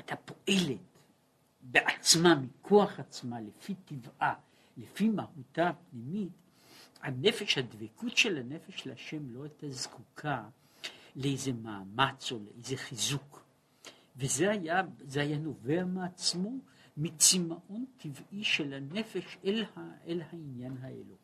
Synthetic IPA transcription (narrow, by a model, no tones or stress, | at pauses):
at̪ʰapoʔe̞let | beʔat͡smamikʰoaχat͡smalefit̪ivʔa | lefimahutapnimit | hanefeʃhadvekʰutʃelhanefeʃlaʃemlo̞ajtazkukʰa | leejzemaːmat͡soleʔejzeχizuk | vezeajazeajano̞veameat͡smo̞mit͡simaʔo̞ntʰivʔiʃelanefeʃelaʔelhainjanɦaʔḛlu